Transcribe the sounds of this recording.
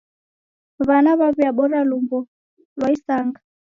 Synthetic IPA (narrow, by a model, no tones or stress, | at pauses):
βanaβaβiaɓɔɾalumbɔ | lwaisaŋɡa